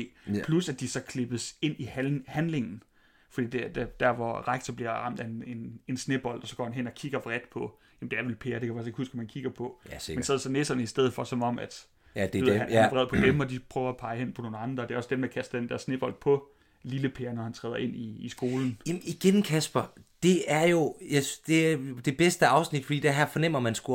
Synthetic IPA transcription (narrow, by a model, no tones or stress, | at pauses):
epʰlusæd̥isɒ̽kʰle̝b̥əse̝n̰ihænle̝ŋn̩ | fɒ̽d̥ḭːd̥ed̥æd̥æɐʋɒʁaɡ̥̚t͡sʰɐbliɐʁɑ̈m̰d̥æene̝ne̝nsneb̥ɒ̽l̰d̥ɒ̽sɒɡ̥ɒ̰ːhænɦen̰ɒ̽kʰiɡ̥ɐʋʁad̥pʰɒ̽ | jæm̩d̥eæɐʋelpʰeːɐɾ̥ekʰæʋæseɡ̥husɡ̥ɒmænkʰiɡ̥ɐpʰɒ̽mennseð̰ˠɐsɒ̽nesɐnəisd̥eð̰̩ˠfɒ̽sɒ̽mɒ̽m̰æd̥ | ð̰hænæʋʁɛðˠpʰɒ̽d̥emɒ̽d̥ipʰʁœːʊɐæpʰɑ̈ɪhen̰pʰɒ̽no̝ːn̩ɑ̈nd̥ʁɐd̥e̝æɒ̽sd̥emd̥æ̈kʰæsd̥ɐd̥end̥æɐsne̝b̥ɒ̽l̰d̥̚pʰɒ̽ | liləpʰeːɐnɒhænt͡sʰʁɛːðˠɐʔe̝n̰iːsɡ̥o̝ːln̩miɡ̥enkʰæsb̥ɐd̥e̝æɐjo̝jad̥e̝d̥e̝b̥esd̥əɑ̈ʊsnid̥fɒ̽d̥ḭːd̥eɐɦæɐfɒnem̰ɐmænsɡ̥u